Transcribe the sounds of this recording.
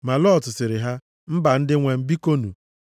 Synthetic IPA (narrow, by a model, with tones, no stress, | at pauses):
ma˨lɔ˦˨tʊ˨sɪ˨ɾɪ˨ɦa˦ | m̩˦ba˨n̩˦dɪ˦ŋʷe˨m̩˦bi˦ko˦nṵ˨